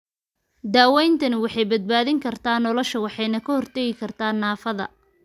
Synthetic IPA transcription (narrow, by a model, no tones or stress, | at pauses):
d̪aːwɛjnt̪ʰɐnɪwɑħɑjbɐd̪̚baːðɪŋkʰɐrt̪ʰaːnɔlɔʃɐwɑħɑjnɐkʰɐhɔrt̪ʰɛɣɪkʰɐrt̪ʰaːnːaːfɐðɐ̰